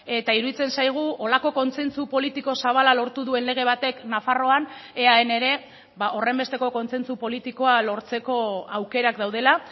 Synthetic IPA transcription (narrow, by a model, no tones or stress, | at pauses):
e̞t̪aiɾuðit͡se̞nsajɣ̞uʔo̞lako̞ko̞nse̞nt͡supo̞lit̪iko̞saβ̞alalo̞ɾt̪uðue̞nle̞ɣ̞e̞β̞at̪e̞knafaro̞ane̞aene̞ɾe̞ | baʔo̞re̞mbe̞st̪e̞ko̞ko̞nse̞nt͡supo̞lit̪iko̞alo̞ɾt͡se̞ko̞awke̞ɾak̚d̪awð̞e̞la